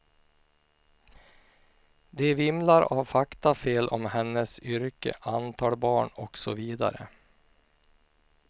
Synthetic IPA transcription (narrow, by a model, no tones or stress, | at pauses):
d̪ɛvɪmlaɾavfakt̪afeːlʔɔmhɛnːəsʏɾkə̰ʔant̪ʰɑːlbɑːɳɔksɔviːd̪a̰ɾə̰